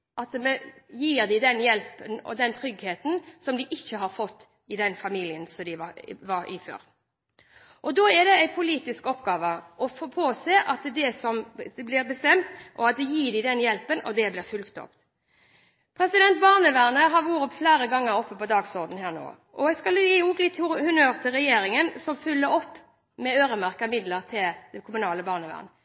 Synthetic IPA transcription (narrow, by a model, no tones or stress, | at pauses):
ʔɑt̪mɛjiːʁd̪ɪd̪ɛnjɛlpənɔ̰d̪ɛnt̪ʰɾʏɡheːt̪n̩sɔmd̪ɪʔɪçːəɦɑɾfɔt̪ː | ɪd̪ɛnfɑmiːlɪənsɔd̪ɪʋɑʋɑɾɪ̰fø̰ːɾ | ʔɔd̪oːɛʁd̪ɛæɪpʰʊliːt̪ɪskɔpːɡɑːʋəʔɔfoːpʰoːseːʔɑt̪̚d̪ɛsɔmɛblɪɾbəst̪ɛmt̪ʔɔɑt̪̚d̪ɛjiːd̪ɪd̪ɛnjɛlpənʔɔ̰d̪ɛblɪːɾfʉlkt̪ʰɔ̰pt̪ | pʰɾɛsɪd̪ɛnt̪̚bɑːʁnəʋæʁnəɦɑɾʋuːɾɔpfleːɾəɡɑŋːəɾɔpːəpɔd̪ɑːɡsɔʁd̪n̩ɦæːʁno̰ː | ʔɔæskɑljiːuːɡlɪt̪ːhʊhʉnøːɾt̪ʰɪlʁɛjeːɾɪŋənsɔmfʉlːəɾɔpː | mɛøːɾəmæʁkəmɪd̪ləɾt̪ʰɪld̪̥ɛkʰʊmʉnɑːləbɑːʁnəʋæ̰ːʁnə